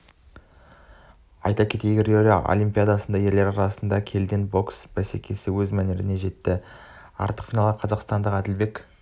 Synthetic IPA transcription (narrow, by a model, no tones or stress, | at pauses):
ɑ̰jt̪ɑkʲʰe̞t̪e̞jɡʲɪrʲoɾʲijɑ̰ʔo̞̰lʲˠimpʲijad̪ɑsənd̪ɑje̞ɾle̞ɾɑɾɑsənd̪ɑkʲʰe̞ld̪e̞nbo̞ksb̥æse̞kʲʰe̞sɪwɵzmæneɾɪne̞ʒe̞t̪ːɪ | ɑ̰ɾt̪ə̥qfʲijnɑlˠəqʰɑzɑqst̪ɑnd̪əqæd̪ɪlbe̞k